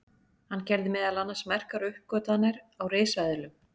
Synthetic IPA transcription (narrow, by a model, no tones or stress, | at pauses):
hanːcɛlðɪmɛːðalanːasmɛr̥kaɾʏhp̚kœːt̪anːaɾ | awɾeːjsaðɪlʏm